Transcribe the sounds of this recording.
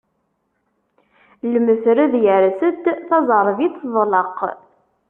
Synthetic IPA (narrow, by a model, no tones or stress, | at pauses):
ləməθɾəðjəɾsət̪θɑzˤəɾˤvit̪ðˤləqː